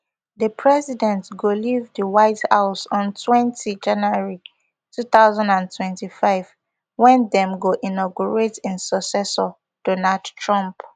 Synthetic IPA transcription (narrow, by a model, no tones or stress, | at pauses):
dəpʰɹɛzidɛ̃ntɡolivdəwaɪtha̰ʊsɔ̃ntʰwɛ̃ntʰid͡ʒãnaɹi | tʰuθaʊzãndãntʰwɛ̃ntifaɪv̥ | wɛ̃ndɛ̃mɡoʔinɔɡuɹetĩnsɔksɛsɔ | d̥ɔnaldtʰɹɔ̃mp